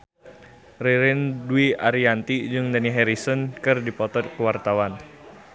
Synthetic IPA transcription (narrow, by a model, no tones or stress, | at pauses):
riɾɪnduiaɾiant̪id͡ʒɨŋdaniɦɛɾisɔnkɨrdipɔt̪ɔt̪̚kəwart̪awan